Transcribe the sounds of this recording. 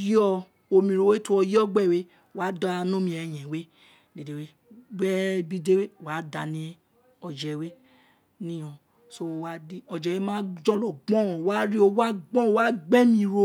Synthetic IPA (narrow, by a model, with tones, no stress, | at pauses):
jɔ˧ | o˧mĩ˧ɾo˧we˦tu˦ɔ˧jɔ˦ɡ͡bɛ˦˨we˦˨ | wa˨˦da˦a˧nũ˦mĩ˧˦ɛ˧j̃ɛ̃˨we˦ | de˨de˨we˦ | ɡ͡bɛ˦bi˦de˦we˦˨wa˨˦da˧˨nĩ˨˦ | ɔ˧d͡ʒɛ˨we˦ | nĩ˦ɔ̃˧ | so˦˧wa˦di˦ɔ˧d͡ʒɛ˨˧we˦mãː˦d͡ʒɔ̃˦lɔ˨ɡ͡bɔ̃˦˨wa˦ɾi˦o˧wa˦ɡ͡bɔ̃˦o˧wa˦ɡ͡bɛ˦mĩ˧ɾo˧˦